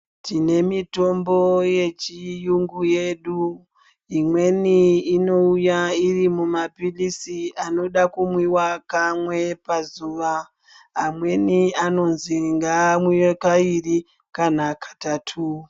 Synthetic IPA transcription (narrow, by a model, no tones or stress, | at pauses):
tine̞mito̞mbo̞je̞t͡ʃijuŋɡuje̞ɗu | imwe̞niːno̞ujairimumapilisiano̞ɗakumwiwakamwe̞pazuːʋaː | mwe̞niano̞nziŋɡamwijekairi | kanakʰḁtatʰu